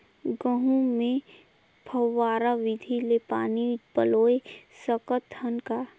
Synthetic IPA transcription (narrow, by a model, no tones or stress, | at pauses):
ɡəɦũmẽ | pʰəwːaːɾaʋɪd̪ʱilepaːnipəloːesəkət̪ənka